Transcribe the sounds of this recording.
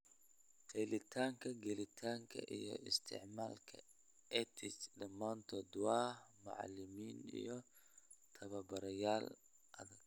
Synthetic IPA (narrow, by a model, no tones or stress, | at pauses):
t̪ʰɛlɪt̪ʰaːŋkʰɐɡɛlɪt̪ʰaːŋkʰɐ̰ʔijɔ̰ʔɪst̪ʰɪ̰ʕmaːlkʰɐ | ɛt̪ʰɪt͡ʃdɐmːaːnt̪ʰɔːd̪waːmʊ̰ʕa̰lːɪmiːnḭjɔ | t̪ʰɐβɐbɐɾɐjaːl | ʔɐ̰ðɐɡ